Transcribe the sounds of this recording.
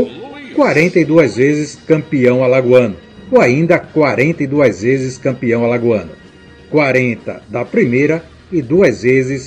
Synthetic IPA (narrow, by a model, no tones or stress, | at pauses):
kwaɾẽnt̪ɐɪd̪uɐzvezɪskɐ̃mpiɐ̃w̃alaɡwɐ̃nʊ | oaĩnd̪ɐkwaɾẽnt̪ɐɪd̪uɐzvezɪskɐ̃mpiɐ̃w̃alaɡuɐ̃nʊ | kwaɾẽnt̪ɐ̰d̪ɐpɾimejɾɐ | ɪd̪uɐzvezɪs